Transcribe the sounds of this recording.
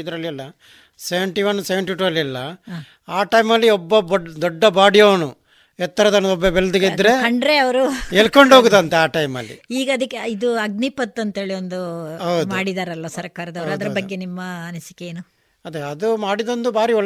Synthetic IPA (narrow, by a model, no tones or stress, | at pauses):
id̪ɐɾɐlːiɐlːɐ | seʋeɳʈiʋɐnseʋeɳʈiʈuɐlːiɐlːɐ | aːʈɐjmɐlːiɔbːɐbd̪ɔɖːɐbaːɽijonu | ɛt̪ːɐɾɐd̪ɐnɐd̪ɔbːɐbeld̪uɡeid̪ɾe̞kɐɳɖɾeɐʋɐɾueɭkoɳɖoɡud̪ɐnt̪eaːʈɐjmɐ̰lːḭiːɡɐɐd̪ɐkːeid̪uɐɡnipɐt̪ːɐnt̪e̞ːɭiond̪uɐwd̪maːɽid̪aːɾɐlʋɐsɐɾkaːɾɐd̪ɐʋɐɾuɐd̪ɐɾɐbɐɡːenimːɐːnɐsi̥keeːnu | ɐd̪eɐd̪umaːɽid̪ond̪ubʱaːɾiɔɭ